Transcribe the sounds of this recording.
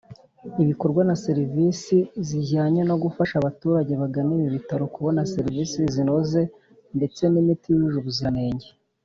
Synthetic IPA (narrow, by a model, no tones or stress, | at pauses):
iβiko̞ɾɡwanase̞ɾivisiziɟaːɲeno̞ɡufaʃaβatuːɾaɟe̞βaɡaniβiβitaɾo̞kuβo̞naseɾivisizino̞ze̞ | nde̞t͡se̞nimitijujuʒuβuziane̞ːɲɟe